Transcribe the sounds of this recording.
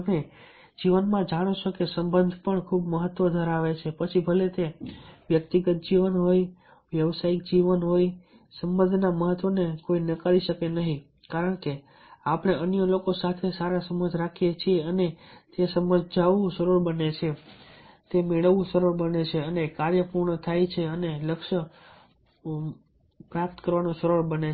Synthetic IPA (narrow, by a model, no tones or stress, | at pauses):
əme | d͡ʒiʋənmãd͡ʒaɽ̃ot͡ʃʰokesəmbənd̪ʱpəɳkʰubməɦət̪ːʋod̪ʱəɾaʋet͡ʃʰepət͡ʃʰibʱəlet̪eʋjək̚t̪iɡət̪̚d͡ʒiʋənɦoj | ʋjəʋsaik̚d͡ʒiʋənɦoj | səmbə̃nd̪ʱnaməɦət̪ʋonekoinəkaɾiʃəkenəɦĩ | kaɾəɳke | apəɳ̃eʔənjəlokosat̪ʰesaɾasəməd͡ʒʱɾakʰijet͡ʃʰieənet̪esəməd͡ʒd͡ʒʱaʋũʃəɾuɾbənet͡ʃʰe | t̪emeɭəʋːũʃəɾuɾbənet͡ʃʰeənekaɾjəpuɾɳət̪ʰajt͡ʃʰeəneləkʃə | pɾjap̚t̪kəɾʋanũʃəɾuɾbəne